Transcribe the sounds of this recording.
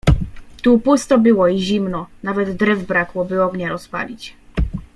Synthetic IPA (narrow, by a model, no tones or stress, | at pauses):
t̪upust̪ɔbɘwɔiʑimnɔnavɛd̪ːɾɛvbɾakwɔbɘɔɡɲaɾɔspa̰lʲit͡ɕ